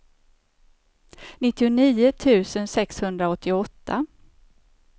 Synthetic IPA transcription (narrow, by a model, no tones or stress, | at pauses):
nɪt̪ːɪʊniːʊt̪ʰʉ̟ːsənsɛkshɵnd̪ɾaɔt̪ʰːɪɔt̪ʰːa̰